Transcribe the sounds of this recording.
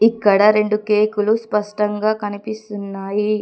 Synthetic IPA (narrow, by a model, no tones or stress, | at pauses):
ikːɐɽɐɾe̞ɳɖukeːkuluspɐʂʈɐŋɡaːkɐnipist̪unːaːji